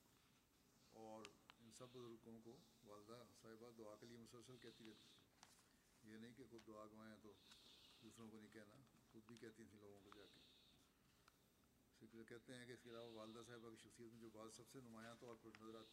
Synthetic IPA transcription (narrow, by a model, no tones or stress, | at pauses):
ɔːɾɪnsɐbːʊzʊɾkõko | ʋaːld̪asaːɦɪbad̪ʊaːkeliemʊsəlsəlkɛɦt̪iɾɛːt̪i̥t̪ʰĩ | jenɐɦĩkexʊd̪ːʊaːɡʊmaːjãt̪od̪uːsɾõkonɐɦĩkɛɦnaxʊd̪bʱikɛɦt̪it̪ʰĩloːɡõkod͡ʒaːke | skɛɦt̪eɦɛ̃keɪskeɪlaːʋaʋaːld̪as̬aːɦɪbakiʃɐxsijːət̪mẽd͡ʒoːbaːd̪sɐbsenʊmaːjãt̪oːɾpɪnɐzəɾaːt̪